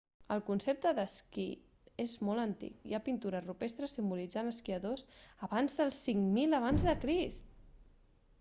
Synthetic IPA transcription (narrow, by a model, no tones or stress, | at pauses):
əlˠkunsep̚t̪əðəskḭ | ezmɔlˠənt̪ḭkḭapint̪uɾərupest̪ɾəsimbulid͡zanəskiəðozəβanzðəlˠsːiŋmiləβ̞anzðəkɾist̪